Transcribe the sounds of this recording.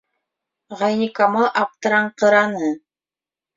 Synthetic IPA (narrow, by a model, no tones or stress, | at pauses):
ʁɑjnʲikamɤʔɑp̚t̪ɤ̆ɾɑɴqɤ̆ɾɑnɤ